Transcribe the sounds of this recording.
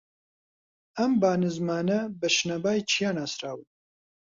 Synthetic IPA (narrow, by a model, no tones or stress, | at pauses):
ɐmbaːnɨzmaːnɐbɐʃnɐbaːjt͡ʃʰijaːnaːsɾaːwɨ